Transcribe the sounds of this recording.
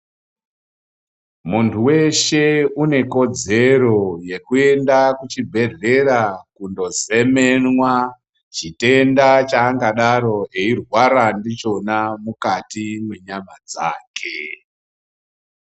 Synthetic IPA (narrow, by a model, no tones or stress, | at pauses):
muntʰuwe̞ʃe̞une̞ko̞d͡ze̞ro̞je̞kue̞ndakut͡ʃibʱe̞re̞ɾakundo̞ze̞me̞nwa | t͡ʃite̞ndat͡ʃaːŋɡaɗaɾo̞ɦe̞irwaɾandit͡ʃo̞namukatimweɲamad͡za̰ːkʰe